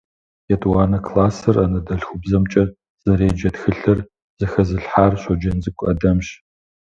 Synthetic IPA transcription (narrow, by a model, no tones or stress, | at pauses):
jɛtʼwaːnɐkʰlaːsɨrɐnɐdɐɬxʷʊbzɐmt͡ʃʼɐ | z̥ɐɾeːd͡ʒɐtxɨɬɨr | z̥ɐxɐzɨɬħaːrɕʷɔd͡ʒɐnzɨkʷʼɐ̰dɐmɕ